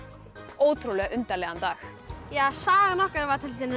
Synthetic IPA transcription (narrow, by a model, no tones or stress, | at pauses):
oːwt̪ʰɾulɛɣaʔʏnt̪alɛːɣant̪aːx | jaːsaːɣanɔhkaɾvat̪ʰɪlt̪ɪn